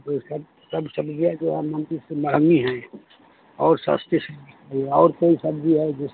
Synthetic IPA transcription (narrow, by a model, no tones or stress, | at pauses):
səb | səbsəbd͡ʒiɛd͡ʒoɦɛmə̃nt̪isəbʱaɡmiɦɛ̃ | ɔːɾsa̰ːst̪ʰesiaieɔːɾkoisəbd͡ʒiɦɛd͡ʒɪs